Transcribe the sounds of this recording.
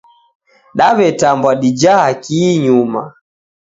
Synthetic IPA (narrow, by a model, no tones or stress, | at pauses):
ɗaβɛtambwaɗid͡ʒaakiɲuma̰